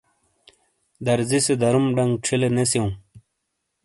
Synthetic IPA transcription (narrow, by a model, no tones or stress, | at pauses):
d̪ɐɾzised̪ɐɾumɖɐŋɡʈ͡ʂʰilenesjeũ